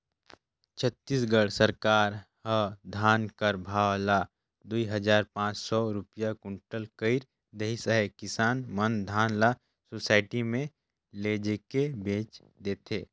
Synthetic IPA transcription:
t͡ʃʰət̪ːiːsɡəɽsəɾkaːɾ | ɦəd̪ʱaːnkəɾbʱaːwla | d̪uiɦəd͡ʒaːɾpãːt͡ʃsɔɾʊpijakʊɳʈəlkəɪɾ | d̪əɦisəɦəkɪsaːnmənd̪ʱaːnla | sosaːɪʈimẽ | leːd͡ʒekebẽːt͡ʃ | d̪eːt̪ʰeː

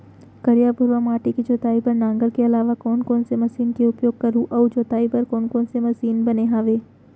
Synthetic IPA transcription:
kɐɾijaːpʊɾʋamaːʈikid͡ʒoːt̪aːipɐɾnãːŋɡəlkeɐlaːʋakɔːnkɔːnsemɐsiːnkeʊpjoːɡ̚kɐɾũʔɔːd͡ʒoːt̪aːipɐɾkɔːnkɔːnsemɐsiːnbɐneɦaːʋeː

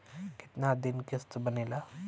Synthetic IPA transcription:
ki̥t̪nad̪inkest̪əbənela

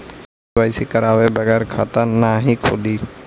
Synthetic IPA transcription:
aːisikəɾaːʋebəɣɛːɾkʰaːt̪anaɦĩkʰo̰d̪iː

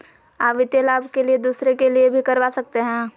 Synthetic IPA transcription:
aːpʋɪt̪jəlaːbʱkelied̪uːsɾekeliebʱikɐɾʋaːsɐk̚t̪eɦɛ̃ː

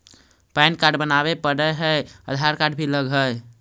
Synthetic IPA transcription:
pankaɾɖbənabepəɽəɦəəd̪ʱaɾkaɖbʱiləɡɦəj

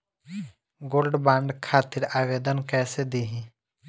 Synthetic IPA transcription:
ɡoːlɖbãːɳɖkʰaːt̪ɪɾaːʋeːd̪ənkɛːsed̪iːɦĩː

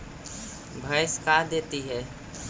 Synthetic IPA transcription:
bʱəɪskad̪eːt̪iɦɛː

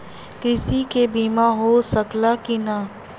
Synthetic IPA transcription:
kɪsikebiːmaɦosəklakina

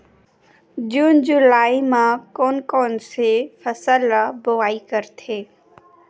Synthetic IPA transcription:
d͡ʑuːnd͡ʑʊlaːimãkoːnkoːnsefəsəlboaːikəɾt̪ʰeː

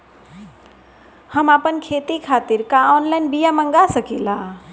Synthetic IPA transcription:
həmapənkʰet̪ikʰat̪iɾkaɔnlaɪnbijaməŋɡasəkila

